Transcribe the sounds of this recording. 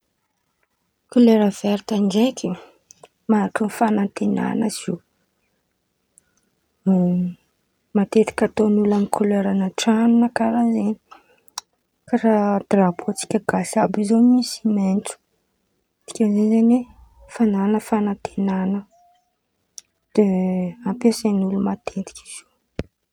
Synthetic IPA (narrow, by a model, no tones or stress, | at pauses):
kuleɾəv̥ɛɾt̪and͡ʒekʲi | maaʈ͡ʂunfanant̪ena̰nəz̥i | mat̪et̪i̥kʲat̪onulamikʰuleɾanaʈ͡ʂanunəkaɾazeni̥ | kaɾad̪rabuot͡si̥kʲəɡasabizomisimenʈ͡ʂu̥ | t̪i̥kʲazezene | fananəfanant̪ʰenanə | d̪̥eampesanulumat̪ʰet̪i̥kʲiz̥o